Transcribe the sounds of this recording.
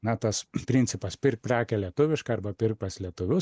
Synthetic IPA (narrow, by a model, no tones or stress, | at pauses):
nɐt̪ɐspʲɾʲɪnʲtsʲɪpɐspʲɪrk̚pʲɾʲæːkʲɛlʲiɛt̪ʊʋʲɪʃkɐɐɾbɐpʲɪrk̚pɐslʲiɛt̪ʊʋʲʊ